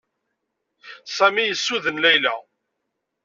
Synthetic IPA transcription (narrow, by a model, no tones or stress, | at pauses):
sæmijəsːuðənlæjlæ